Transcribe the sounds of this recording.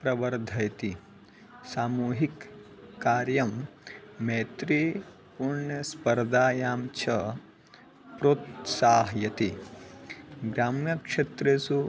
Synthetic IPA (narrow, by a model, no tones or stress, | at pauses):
pɾɐʋɐɾd̪ʱɐjt̪i | saːmuːɦikː | aːɾjɐmː | eːt̪ɾi | puɾɳɐspɐɾd̪aːjaːmt͡ʃʰɐ | pɾoːt̪saːɦjɐt̪i | ɡɾaːmjɐkʂet̪ɾeːsu